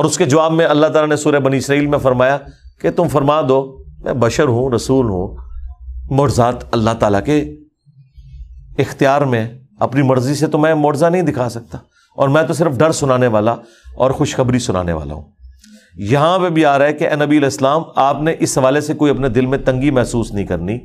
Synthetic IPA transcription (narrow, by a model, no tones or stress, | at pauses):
ɔːɾʊsked͡ʒɐʋaːbmẽɐlːaɦt̪aːlanesuːɾəbɐniɪsɾaːiːlmẽfɐɾmaːjaket̪ʊmfɐɾmaːd̪oːmʔɛ̰̃ːbɐʃəɾɦũɾɐsuːlɦṵ̃ː | mɔːɖzaːt̪ɐlːaɦt̪aːlake | ɪxt̪ijaːɾmẽ | ɐ̰pnimɐɾziset̪omɛ̃mɔːʈzanɐɦĩd̪ɪkʰaːsɐk̚t̪aː | ɔ̰ːɾmɛ̃ːt̪̬os̬ɪɾəfɖɐɾsʊnaːneʋaːla | ɔːɾxʊʃxɐbɾisʊna̰ːnḛʋa̰ːla̰ɦṵ̃ː | jɐɦãpebʱiaːɾaɦekeʔɛːnɐbiɐlɛːsəlaːmaːpneʔɪsɦɐʋaːlesekoːiɐpned̪ɪlmẽt̪ɐ̃ŋɡimɛɦsuːsnəɦĩkɐɾni